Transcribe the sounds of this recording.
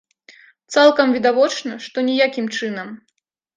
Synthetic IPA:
t̪salˠkɐmvʲid̪avɔt͡ʂnɐʂt̪ɔnʲɛjakʲimt͡ʂɨnɐm

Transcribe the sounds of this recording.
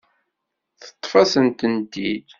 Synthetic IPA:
θə̥t̪ˤːfæsənt̪ənd̪id̪

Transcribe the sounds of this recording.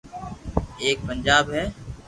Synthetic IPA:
eːk̚pənd͡ʒaːbɦɛː

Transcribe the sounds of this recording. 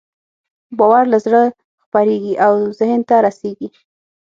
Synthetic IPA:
bawaɾlazɽə | xpaɾeɡiʔawzɪhnt̪aɾaseɡi

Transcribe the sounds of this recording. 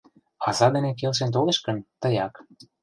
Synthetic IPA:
ɑzɑd̪enek̬elʃ̬ent̪̬oleʃkə̆nt̪əjɑk

